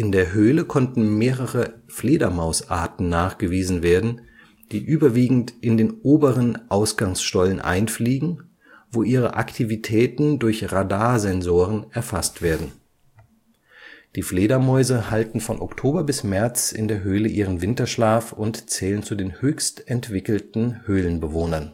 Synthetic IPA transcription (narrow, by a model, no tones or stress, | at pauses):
ʔɪndeːɐɦøːləkʰɔntn̩meːʁəʁəfleːdɐmaʊsʔa̰ɐtn̩naːχɡ̥əviːzn̩veːɐdn̩ | d̥iːʔyːbɐviːɡŋ̩tʔɪndeːnʔoːbəʁənʔaʊsɡ̥aŋsʃtɔlənʔa̰ɪnfliːɡŋ̩ | voːʔiːʁə̰ʔa̰ktʰivitʰɛːtn̩dʊɐçʁadaːzɛnzoːʁ̞ənɛɐfastv̥eːɐdn̩ | d̥iːfleːɾɐmɔʏzəhaltn̩fɔnʔɔktʰoːbɐbɪsmɛɐt͡sɪ̰ndeːɐɦøːləʔiːʁ̞ənvɪntɐʃlaːfʊntt͡sɛːlənt͡sudeːnhøːçstɛntv̥ɪkl̩tn̩høːlənbəvoːnɐn